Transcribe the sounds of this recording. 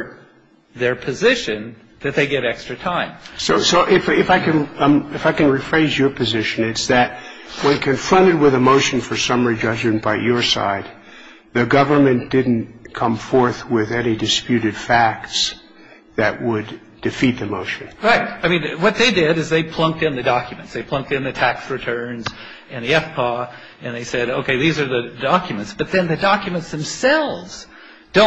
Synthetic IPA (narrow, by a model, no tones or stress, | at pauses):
ðə˞pʰɨzɪʃɨ̃n | ðɨt̪̚ðeɪɡɛɾɛkstɹ̥ɨtʰãɪ̃msoʊsoʊʔɪfɪfaɪkɨ̃nɨfaɪkɨ̃nɹifɹeɪzjə˞pʰɨzɪʃɨ̃nɨtsðɨt̚ | wə̃nkʰɨ̃ɱfɹʌ̃ɾ̃ɨd̚wɨðəmoʊʃɨ̃n̩fə˞sʌmə˞id͡ʒʌd͡ʒmɨ̃nb̥aɪjə˞sa̰ɪd̪̚ | ðɨɡʌvə˞mɨ̃nd̥ɪdⁿn̩kʰʌ̃ɱfɔɹθwɪðɛnidɨspjʉɾɨd̥fæk̚ts | ðɨʔ̚wəd | dɨfit̪̚ðɨmoʊʃɨ̃nɹaɪt̚aɪmĩnwʌt̪̚ðeɪdɪɾɨzðeɪpʰl̥ʌ̃ŋk̚tɨ̃nðɨdɑkʰjɨmɨ̃ntsðeɪpʰl̥ʌ̃ŋk̚tɨ̃nðɨtʰæksɹɨtʰɜ̃˞nz | ɨ̃nðiɛfpʰɑ | ɨ̃nðeɪsɛɾoʊkʰeɪðizə˞ðɨdɑkjmɨ̃ntsb̥ʌt̪̚ðɨ̃nðɨdɑkjɨmə̃ntsðɨ̃msɛlˠvz̥ | d̥õ